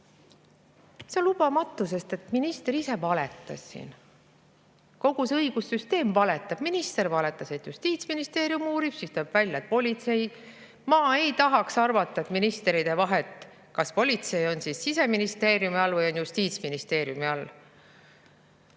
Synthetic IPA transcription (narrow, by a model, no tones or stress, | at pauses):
seolːub̥ɑmɑt̪ːˑus̬e̞st̪e̞t̪minist̪eɾise̞vɑle̞t̪ːˑɑ̰sːḭːn | ko̞ɡ̥useɤiɡ̥usːyst̪e̞ːmvɑle̞t̪ːˑɑb̥minist̪e̞ɾvɑle̞t̪ːˑɑse̞t̪just̪iːt̪sminist̪e̞ːɾjumuːɾib̥sist̪oːb̥vælʲjɑet̪̚po̞lʲit̪se̞j | mɑːe̞jt̪ɑɦɑksɑrvɑt̪ˑːɑet̪minist̪eɾid̪̥e̞vɑɦe̞t̪ːˑ | kɑspo̞lʲit̪se̞jo̞nsisːise̞minist̪e̞ːɾjumiɑlːvɤjo̞njust̪iːt̪sminist̪e̞ːɾjumiɑlː